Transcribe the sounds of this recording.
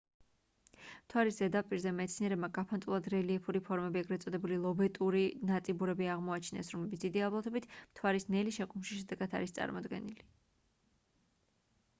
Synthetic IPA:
m̥t̪ʰwaɾiszɛd̪apʼiɾzɛmɛt̪sʰniɛɾɛbmaɡapʰant̪ʼulˠad̪ɾɛliɛpʰuɾipʰɔɾmɛbiɛɡɾɛt̪sʼɔd̪ɛbulilˠɔbɛt̪ʼuɾinat̪ʼibuɾɛbiaʁmɔat͡ʃʰnɛ̰sɾɔmlɛbit̪d̪̥id̪iablˠɔt̪ʰɛbit̪ʰm̥t̪ʰwaɾisnɛliʃɛkʼumʃiʃɛd̪ɛɡad̪ʰa̰ɾist̪sʼa̰ɾmɔd̪ɡɛ̰nili

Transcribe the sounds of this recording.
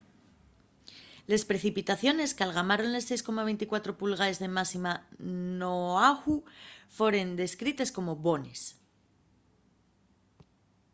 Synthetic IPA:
le̞spɾe̞θipit̪aθjo̞ne̞skalɣ̞amaɾo̞nle̞sːe̞jsko̞maβent̪ikwat̪ɾo̞pulɣae̞zðe̞masimanoaxufwe̞ɾe̞nd̪e̞skɾit̪e̞sko̞mo̞βo̞ne̞s

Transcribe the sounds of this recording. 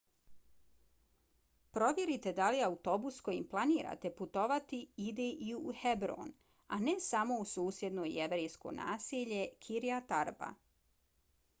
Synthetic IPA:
pɾo̞ʋjeɾit̪e̞d̪aliaut̪o̞busko̞jḭmplˠaniːɾa̰ːt̪e̞put̪o̞ʋat̪iid̪eʔiuhebɾo̰ːn | anesamo̞usuːsje̞d̪no̞ːḭeʋɾejsko̞̰na̰ːsiʎe̞kʰiɾijat̪aɾba̰

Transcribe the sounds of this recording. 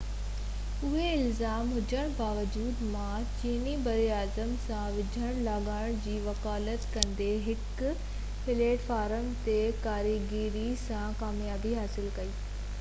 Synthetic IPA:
ʊɦeɪlzaːmɦʊd͡ʑəɽ̃baːʋəd͡ʑuːd̪mã | t͡ɕiːnibɐɾiaːzəmsãʋɪd͡ʑʱəɽ̃laɠaːɽ̃d͡ʑiːʋɐkaːlət̪kɐ̃nd̪eɦɪk | pɪleːʈfaːɾəmt̪ekaːɾiɡiːɾisãkaːmjaːbiɦaːsɪlkɐiː

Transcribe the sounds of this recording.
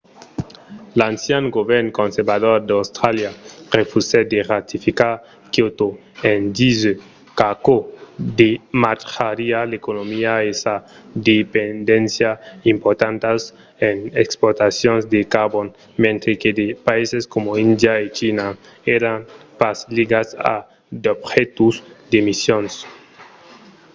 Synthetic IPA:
lansjaŋɡoβeɾnkonseɾbaðoɾd̪awst̪ɾaljarefused̪erat̪ifikaɾ | kjot̪o | end̪izø | kakod̪emat̪xaɾialekonomiaesad̪epend̪ensjaimpoɾt̪ant̪as | enekspoɾt̪asjonzd̪ekaɾbon | mẽnt̪ɾeked̪epaiseskomoind̪jaet͡ʃina | eɾanpasliɡasa̰ | d̪obxet̪uzd̪emisjons

